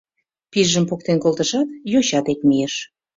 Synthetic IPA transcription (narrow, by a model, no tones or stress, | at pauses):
piʒəmpok̚t̪enkolt̪əʃɑt̪joɕɑt̪ekmijeʃ